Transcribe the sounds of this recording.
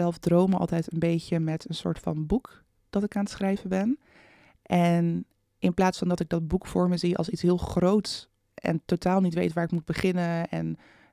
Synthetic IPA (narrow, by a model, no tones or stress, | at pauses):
ɛlˠfdrowməɑ̰lˠtɛjtənbejcəmɛtənsʊ̰ːɹtfɑ̰nbuk | d̥ɑtɪkaːnətsχrɛjvəbɛn | ʔɛn | ʔɪnplaːtsfɑndɑtɪɡ̚dɑtd̚bukfʊːɹməziɑ̰lˠsitsɦɪːlˠχrowts | ʔɛ̰ntowtaːlˠnitʋḛjtʋaːɹɪkmud̚bəχɪnəɛ̰n